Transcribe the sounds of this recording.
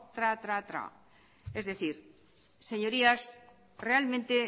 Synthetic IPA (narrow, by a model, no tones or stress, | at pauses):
t̪ɾat̪ɾat̪ɾa̰ | ezðeθiɾ | seɲoɾias | realmẽnt̪e